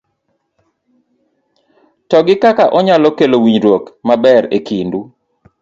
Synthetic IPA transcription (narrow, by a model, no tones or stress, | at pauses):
tɔɡɪkakaʔɔɲalɔkelowiɲɾwokmabɛɾekindu